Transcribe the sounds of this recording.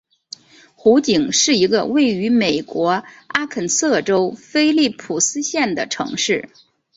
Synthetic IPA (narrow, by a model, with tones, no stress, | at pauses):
xu˧˥t͡ɕi˨˩ŋʂɻ̩˥˩i˧˥ɡə̰˧we˥˩ɪy˧˥me˨˩ɪkwɔ˧˥a˥kʰə˨˩nsɤ˥˩ʈ͡ʂo˥ʊfe˥ɪli˥˩pʰu˨˩sɹ̩˥ɕjɛ˥˩nd̪ə˩ʈ͡ʂʰɤ̰˧˥ŋʂɻ̩˥˩